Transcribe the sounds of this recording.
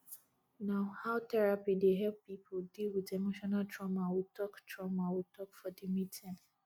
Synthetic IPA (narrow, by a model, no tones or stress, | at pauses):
nãʊhaʊtɛɹapideɦɛlp̚pipʰodilwidemoʃɔnaltɹɔmawitʰɔktʰɹɔmawitʰɔkfɔdimitʰĩn